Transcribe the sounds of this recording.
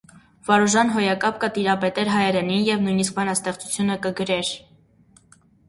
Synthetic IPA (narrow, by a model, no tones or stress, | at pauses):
vɑɾuʒɑnɦɔjɑkɑp̚kət̪iɾɑpɛt̪ɛɾɦɑjɛɾɛninjɛvnujnisk̚bɑnɑst̪ɛχt͡su̥t͡sʰjunəkəɡəɾɛɾ